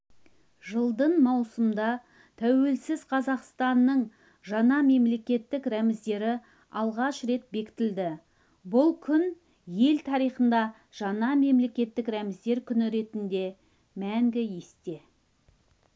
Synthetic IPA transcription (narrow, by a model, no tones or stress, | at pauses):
ʒəlˠd̪əɴmɑwsəmd̪ɑ | t̪ʰæwe̞lsɪz̥qʰɑzɑqst̪ɑnːəɴ | ʒɑnɑme̞mle̞kʲe̞t̪ːɪkɾæmɪzd̪e̞ɾɪ | ɑlˠʁɑʃɾe̞t̪̚be̞kʲɪ̥t̪ɪld̪ɪ | bʊlˠkʲʰʏn | je̞lt̪ʰɑɾijχənd̪ɑ | ʒ̥ɑnɑme̞mle̞kʲe̞t̪ːɪkɾæmɪzd̪e̞ɾkʲʰʏnɪɾe̞t̪ɪnd̪e̞ | mæŋɡʲɪjest̪e̞